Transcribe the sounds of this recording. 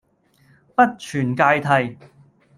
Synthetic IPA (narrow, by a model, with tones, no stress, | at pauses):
pɐ˥t̚t͡ʃʰyː˨˩nkaː˧jt̪ʰɐ˨j